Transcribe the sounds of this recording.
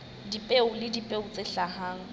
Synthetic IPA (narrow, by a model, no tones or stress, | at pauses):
dipʼeʊlɪdipʼeʊt͡sʼeɬahaːŋ̩